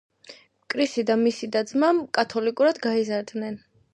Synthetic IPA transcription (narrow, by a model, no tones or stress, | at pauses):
mkʼɾisid̪amisid̪ad̪zmamkʼat̪ʰɔlikʼuɾad̪ɡaizaɾd̪nɛn